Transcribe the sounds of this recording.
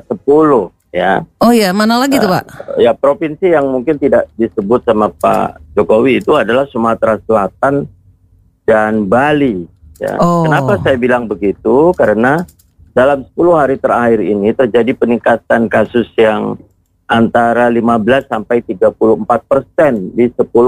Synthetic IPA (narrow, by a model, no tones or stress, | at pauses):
səpulʊh | ja̰ɔjamanalaɡiubaʔjapɾopinsijaŋmuŋkɪnt̪idaʔdisəbʊt̪̚samapa̰d͡ʒokowiːt̪uadalahsumat̪ɾaslat̪̚an | danbali | ja̰ənapasajabilaŋbəɡit̪ukaɾəna | dalamsə̥pulʊhaɾit̪əɾahɪɾḭnit̪ərd͡ʒadipənikat̪ankasʊsjaŋ | ʔant̪aɾalimabəlasːampajt̪iɡapulʊhəmpat̪̚pərsɛndisəpulʊ